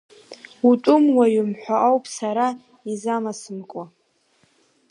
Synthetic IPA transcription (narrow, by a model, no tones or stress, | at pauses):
utʼʊmwaɥʊmħʷᶣaʔawpʼsaɾa | izamasɨmkʷʼa